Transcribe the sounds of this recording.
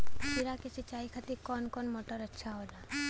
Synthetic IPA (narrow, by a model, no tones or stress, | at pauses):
piɾaket͡ʃit͡ʃaːikʰat̪ikɔːnkɔnmoːʈəɾətːʃʰaɦoːla